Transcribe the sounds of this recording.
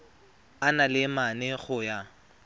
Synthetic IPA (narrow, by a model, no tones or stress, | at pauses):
analɪmanɛɣʊja